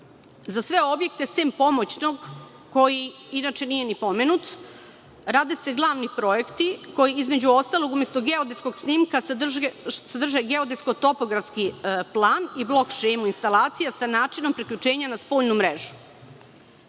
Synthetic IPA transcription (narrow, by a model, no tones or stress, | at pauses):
zasʋe̞o̞bje̞k̚t̪e̞seːmpo̞mot͡ɕno̞ɡ | ko̞ji | inat͡ʃe̞nije̞nipo̞menut̪ | ɾaːd̪ese̞ɡlˠaːʋnipɾo̞e̞kt̪iko̞jiizme̞d͡ʑuo̞st̪alo̞ɡumjest̪oɡeod̪et̪skoɡsnimkarsad̪r̩ʒeɡeo̞d̪esko̞t̪o̞po̞ɡɾafskiplˠaːniblˠo̞kʃejmuinst̪alˠaːt̪sijasanaːt͡ʃino̞mpɾikʎʲut͡ʃe̞ːɲanaspoːʎnumɾeʒu̥